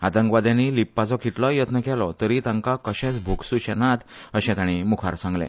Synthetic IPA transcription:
at̪əŋɡʋad̪jãnilipːat͡sɔkiʈ̪lɔjət̪nəkɛlɔt̪əɾit̪ãŋkakəɕɛ̃t͡sbʱuksuɕɛnat̪əɕɛ̃t̪ãɽ̃imukʰaɾsãŋɡlɛ̰̃

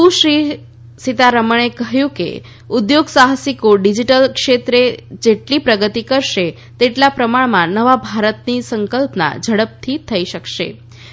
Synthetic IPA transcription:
ũʃɾi | sit̪aɾəməɳ̃ekəɦjũkḛ | ʊd̪joɡsaɦasikoɖid͡ʒiʈəlkʃet̪ɾed͡ʒeʈlipɾəɡət̪ikəɾʃe | t̪eʈlapɾəmaɭmãnəʋabʱaɾət̪nisəŋkəlpna̰d͡ʒʱəɽəp̚t̪ʰit̪ʰəiʃəkʃḛ

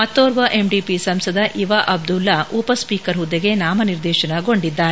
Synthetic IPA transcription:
mɐt̪ːoːɾʋɐʔe̞mɖipisɐmsɐd̪ɐʔiʋɐʔɐb̚d̪ulːɐʔupɐspiːkɐɾɦud̪ːeɡe̞naːmɐniɾd̪ɛːʃɐnɐɡo̞ɳɖid̪ːaːɾe

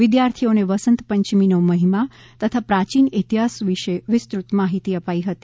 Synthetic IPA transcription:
ʋɪd̪jaɾt̪ʰioneʋəsənt̪pəɲt͡ʃminoməɦima | t̪ət̪ʰapɾat͡ʃinet̪iɦasʋiʃeʋɪst̪ɾut̪maɦit̪iəpaiɦət̪i̥

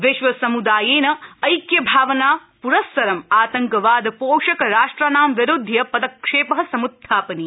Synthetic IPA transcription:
ʋɪʃʋɐsɐmud̪aːjeːnɐɐjkjɐbʱaːʋɐnaː | puɾɐsːɐɾɐmaːt̪ɐŋkɐʋaːd̪ɐpoːʂɐkɐɾaːʂʈɾanaːmʋiɾud̪ʱːjɐpɐd̪ɐkʂeːpɐɦɐ̆sɐmud̪ʱʰːaːpɐni

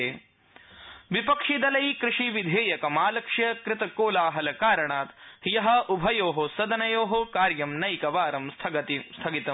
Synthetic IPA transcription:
eː | ʋipɐkʂid̪ɐlɐjikɾɪʂiʋid̪ʱeːjɐkɐmaːlɐkʂjɐkɾɪt̪ɐkoːlaːɦɐlɐkaːɾɐɳaːt̪jɐɦɐ̆ʔubʱɐjoːɦosɐd̪ɐnɐjoːɦokaːɾjɐmnɐjkɐʋaːɾɐmst̪ʰɐɡɐt̪ist̪ʰɐɡit̪ɐ

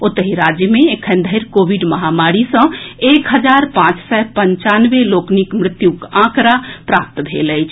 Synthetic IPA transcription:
ot̪əɦiɾad͡ʒjəmẽːkʰənd̪ʱəɪɾkobiɖməɦamaɾisə̃ekɦəd͡ʒaɾpãt͡ʃsɛpəɲt͡ʃanʋeloknikmɾɪt̪jukãkɾapɾap̚t̪bʱeləjt͡ʃʰ

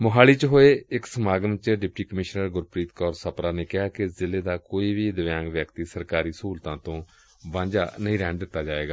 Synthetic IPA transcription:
mʊɦaːliːt͡ʃɦoːeːɪksəmaːɡənt͡ʃɖɪp̚ʈiːkəmɪʃnəɾɡʊɾpɾiːt̪kɔːɾsəpɾaːneːkɪɦaːkɪzɪleːd̪aːkoːiːʋiːd̪əʋjãːŋɡʋjəkt̪iːsəɾkaːɾiːsuːlt̪ãːt̪õː | bãːd͡ʒa̰ːnəĩːɾɛ̃ːɳd̪ɪt̪ːaːd͡ʒaːeːɡaː

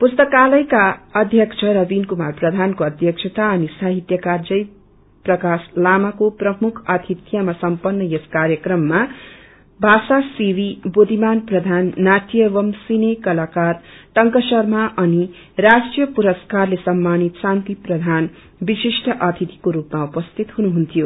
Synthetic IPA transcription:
pust̪ʌkalʌjkaʌd̪ʱjʌkt͡ʃʰʌɾʌbinkumarprʌd̪ʱankoʌd̪ʱjʌkt͡ʃʰʌt̪aʌnisaɦit̪jʌkard͡zʌj | prʌkaslamakoprʌmukʰʌt̪ʰit̪ʰjamasʌmpʌnːʌjeskaɾjʌkrʌmːa | bʱasasiwibod̪ʱimanprʌd̪ʱanːaʈʰijʌbʌmsinekʌlakarʈʌŋkʌsʌrmaʔʌni | rasʈrijʌpuɾʌskarlesʌmːanit̪sãnt̪iprʌd̪ʱan | bisisʈʰʌʔʌt̪ʰit̪i̥koɾupmaupʌst̪ʰit̪ɦunuɦunt̪ʰijo

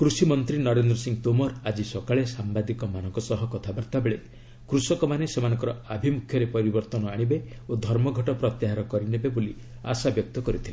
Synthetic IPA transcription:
kɾusimɔnt̪ɾinɔɾend̪ɾɔsiŋt̪omɔɾad͡ʒisɔkaɭesambad̪ikɔmanɔ̃ŋkɔsɔɦɔkɔt̪ʰabaɾt̪abeɭe | kɾusɔkɔmanesemanɔ̃ŋkɔɾɔabʱimukʰjɔɾepɔɾibɔɾt̪ɔnɔaɽ̃ibe | od̪ʱɔɾmɔɡʱɔʈɔpɾɔt̪jaɦaɾɔkɔɾinebeboli | a̰sabjɔk̚t̪ɔkɔɾit̪ʰile

